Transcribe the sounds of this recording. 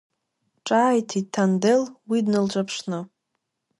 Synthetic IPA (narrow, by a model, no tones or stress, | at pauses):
ʈ͡ʂʼaːjtʰitʰandelwidnɨlʈ͡ʂʷʼapʰʂnɨ